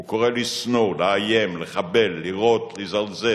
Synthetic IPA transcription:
ukoʁelisnoleajemleχabe̞lːiʁo̞t̪lizalze

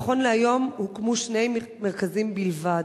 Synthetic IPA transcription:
χo̞nleajo̞mhukmuʃne̞j | meʁkazimbilva

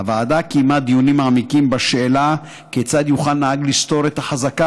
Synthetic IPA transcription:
avaːd̪akimat̪̚d̪ijunimaamikimbaʃeela | ket͡sad̪juχalnahaɡlist̪o̞ɾet̪haħazaka

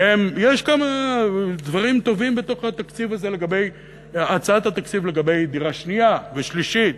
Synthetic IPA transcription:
emjeʃkamad̪vaʁimt̪o̞vimbet̪o̞χhat̪akt͡sivaze̞le̞ɡabe̞j | at͡saat̪hat̪akt͡sivle̞ɡabe̞jd̪iʁaʃniaveʃliʃit̪̚

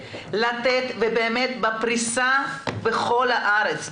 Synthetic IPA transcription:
lat̪et̪vebeːmet̪bapʁisabeχo̞lhaʔaɾet͡s

